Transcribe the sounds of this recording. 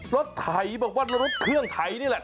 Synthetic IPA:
lo˦˥t̪ʰːa˨˩jbaː˧˩k̚waː˧˥˩lo˦˥t̪̚ɾo˦˥t̪̚kʰɯ˥˩əŋt̪ʰa˨˩˦jniː˦˥˩lɛ˨ʔ

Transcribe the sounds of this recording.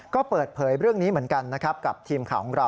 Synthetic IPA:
kɔː˥˩pɤː˨˩t̪̚pʰɤː˩˦jɾɯ˥˩əŋniː˦˥mɯ˩˦ənka˧nːa˦˥kʰɾa˦˥p̚ka˨˩p̚t̪ʰiː˧mkʰaː˨˩kʰɔ˩˦ŋɾa˧w

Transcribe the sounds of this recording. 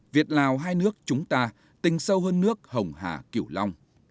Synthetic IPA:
vi˨˩ət̚laː˨˩wɦaː˧jnɨ˦˥ək̚t͡ɕʊ˨˦ŋ͡mt̪aː˧ | t̪ï˨˩ŋ̟sə˧wɦəː˧nːɨ˦˥ək̚hə˨˩wŋ͡mɦa̰ː˧˨˩ki˧˩əwla˧wŋ͡m

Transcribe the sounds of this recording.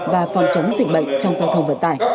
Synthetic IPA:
vaː˨˩fɔ˨˩wŋ͡mt͡ɕə˨˦ŋ͡mzï˨˩k̟̚ɓə̰˧˨jŋ̟t͡ɕɔ˧wŋ͡mzaː˧wt̪ʰə˧wŋ͡mvə̰˧˨nt̪aː˧˩j

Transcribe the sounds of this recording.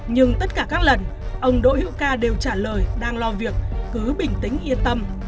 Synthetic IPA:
ɲɨ˧ŋt̪ə˦˥t̚kaː˧˩kaː˦˥k̚lə˨˩nʔə˧wŋ͡mɗo̰˧˨hḭ˧˥wkaː˧ɗe˨˩wt͡ɕaː˧˩ləː˨˩jɗaː˧ŋlɔ˧vi˨˩ək̚ːɨ˨˦ɓï˨˩ŋ̟t̪ï˨˦ŋ̟ʔi˧ənt̪ə˧m

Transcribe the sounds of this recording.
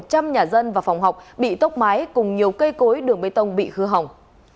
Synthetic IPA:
t̚t͡ɕa˧mɲaː˨˩zə˧nvaː˨˩fa˨˩wŋ͡mɦa˨˩wk͡p̚ɓḭ˧˨t̪ə˦˥k͡p̚maː˨˦jkʊ˨˩ŋ͡mɲi˨˩əwkə˧jko˨˦jɗɨ˨˩əŋɓə˨˦jt̪ə˧wŋ͡mɓḭ˧˨xɨ˧ɦa˨˩wŋ͡m

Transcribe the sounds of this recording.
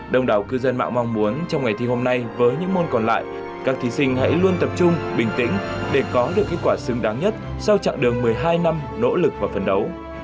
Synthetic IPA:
ɗə˧wŋ͡mɗaː˨˩wkɨ˧zə˧nma̰ː˧˨ŋma˧wŋ͡mmu˨˦ənt͡ɕɔ˧wŋ͡mŋa˨˩jt̪ʰi˧ho˧mna˧jvəː˨˦jɲɨ̰˧˥ŋmo˧nkɔ˨˩nla̰ː˧˨j | kaː˦˥k̚t̪ʰi˨˦sï˧ŋ̟ha̰˧˥jlu˧ənt̪ə˨˩p̚t͡ɕʊ˧ŋ͡mɓï˨˩ŋ̟t̪ḭ̈˧˥ŋ̟ɗe˧˩kɔ˨˦ɗɨ˨˩əkːe˦˥t̚kwaː˧˩sɨ˨˦ŋɗaː˨˦ŋɲə˦˥t̚ | sa˧wt͡ɕa̰˧˨ŋɗɨ˨˩əŋmɨ˨˩əjɦaː˧jna˧mno̰˧˥lɨ˨˩k̚vaː˨˩fə˨˩nɗə˨˦w

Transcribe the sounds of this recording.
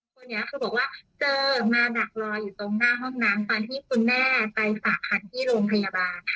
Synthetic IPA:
kʰo˧nːi˦˥ɐkʰɯ˧bɔː˨˩k̚waː˥˩t͡ɕɤː˧maː˧la˨˩k̚lɔː˧juː˨˩t̪o˧ŋnaː˥˩ɦɔ˥˩ŋnaː˨˦˥mkʰaː˧nt̪ʰiː˥˩kʰu˧nːɛː˥˩pa˧jfaː˨˩k̚ʰːa˧nt̪ʰiː˥˩ɾoː˧ŋpʰa˧jaː˧baː˧n

